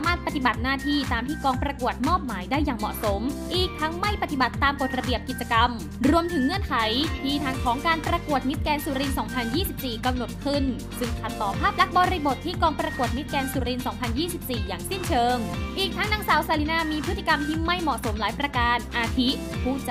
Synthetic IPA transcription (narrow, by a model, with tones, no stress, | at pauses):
maː˥˩t̪̚pa˨˩t̪i˨˩ba˨˩t̪̚naː˥˩t̪ʰiː˧˩t̪aː˧mt̪ʰiː˥˩kɔː˧ŋpɾa˧ku˨˩ət̪̚mɔː˥˩p̚maː˩˦jdaː˥˩jːaː˨˩ŋmɔ̰˨˩ʔso˩˦mʔiː˨˩k̚t̪ʰa˦˥ŋma˥˩jpa˨˧˩t̪i˨˩ba˨˩t̪ːaː˧mko˨˩t̪̚ɾa˧bi˨˩əp̚ki˨˩t̪̚t͡ɕa˧ka˧m | ɾu˧əmt̪ʰɯ˩˦ŋːɯ˧ənkʰa˩˦jt̪ʰiː˧˩t̪ʰaː˨˩˥ŋkʰɔː˩˦ŋkaː˧npɾa˧ku˨˩ət̪̚ni˦˥t̪̚kɛː˧nsuː˧ɾi˧nsɔː˩˦ŋpʰa˧njiː˥˩si˨˩p̚siː˨˩ka˧mno˨˩t̪̚kʰɯ˥˩n | sɯ˧˩ŋk̪ʰa˨˩t̪ːɔː˨˩pʰaː˥˩p̚la˦˥k̚bɔː˧ɾi˧bo˨˩t̪ʰːiː˥˩kɔː˧ŋpɾa˧ku˨˩ət̪̚ni˦˥t̪̚kɛː˧nsuː˧˩ɾi˧nsɔː˩˦ŋpʰa˧njiː˥˩si˨˩p̚siː˨˩jaː˨˩ŋsi˥˩nt͡ɕʰɤː˧ŋʔiː˨˩k̚t̪ʰa˦˥ŋnaː˧ŋsaː˨˩˦wsaː˧li˦˧˥naː˧˩miː˧pʰɯ˦˥i˧ka˧mt̪ʰiː˥˩ma˥˩jmɔ˨˩ʔso˨˩˦mlaː˨˩˦jpɾa˧kaː˧nʔaː˧t̪ʰi˦˥ | pʰuː˥˩t͡ɕ